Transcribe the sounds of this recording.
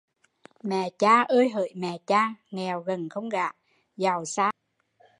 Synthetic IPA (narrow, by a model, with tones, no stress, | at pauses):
mɛ̰˧˨t͡ɕaː˧ʔəː˧jɦə̰ː˧˨jmɛ̰˧˨t͡ɕaː˧ŋɛ˨˩wɣə˨˩nxə˧wŋ͡mɣaː˧˨˦ | za˨˩wsaː˧˥